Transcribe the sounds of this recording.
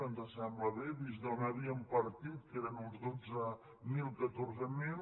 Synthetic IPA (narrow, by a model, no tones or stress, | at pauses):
ənd̪əsambləβeβizd̪onəβiəmpəɾt̪it̪̚keɾənunzðod͡zə | milˠkət̪orzəmi